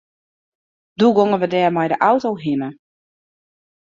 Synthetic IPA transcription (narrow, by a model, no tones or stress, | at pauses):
d̥uɡoŋəʋədɛːrmɛjdəʔawtowɦinə